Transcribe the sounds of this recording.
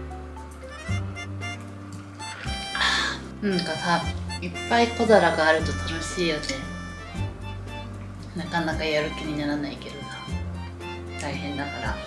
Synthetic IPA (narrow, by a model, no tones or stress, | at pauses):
a | ɯ̟̃ŋkasaipːaikod̪aɾaɡaːɾɯ̟t̪ot̪ʲimasejone | nakanakajaɾɯ̟kʲiɲ̟inaɾanaike̞d̪ona | t̪aiɦẽ̞nd̪akaɾa